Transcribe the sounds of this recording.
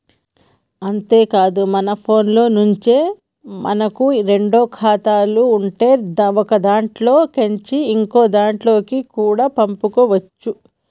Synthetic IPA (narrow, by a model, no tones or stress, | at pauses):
ɐnt̪e̞ːkaːd̪umɐnɐpʰo̞ːnlo̞ːnuɲt͡ʃe̞ː | mʔɐ̰nɐkuɾe̞ɳɖo̞ːkʰaːt̪aːluːɳʈe̞ːd̪ɔkɐd̪aːɳʈlo̞ːkɐɲt͡ʃiːŋko̞ːd̪aːɳʈlo̞ːkikuːɽaːpɐmpukoʋɐt͡ʃːu